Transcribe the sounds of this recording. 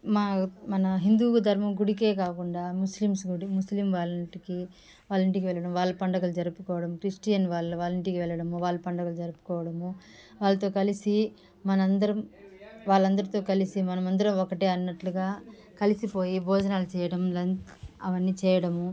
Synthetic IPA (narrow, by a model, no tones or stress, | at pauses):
maːmɐnɐɦind̪uːɡɐd̪ʱɐɾmɐmɡuɽik̬e̞ːkaːkuɳɖaːmuslimsɡuɽimuslimʋaːlɐʈiki | ʋaːɭːɐɳʈikiʋɛɭːɐɽɐmʋaːɭːɐpɐɳɖɐɡɐlud͡ʒɐɾupukɔːʋɐɽɐmkɾisʈijɐnʋaːɭːɐʋaːlɐɳʈikiʋɛɭːɐɽɐmuʋaːɭːɐpɐɳɖɐɡɐlud͡ʒɐɾupu̥kɔːʋɐɽɐmu | ʋaːɭːɐt̪o̞ːkɐlisi | mɐnɐnd̪ɐɾɐmʋaːɭːɐnd̪ɐɾit̪o̞ːkɐlisimɐnɐmɐnd̪ɐɾɐmɔkɐʈeːɐnːɐʈluɡaː | kɐlisipo̞ːjibʱɔːd͡ʒɐnaːlut͡ʃɛːjɐɽɐmlɐnɐʋɐnːiːt͡ʃɛːjɐɽɐmu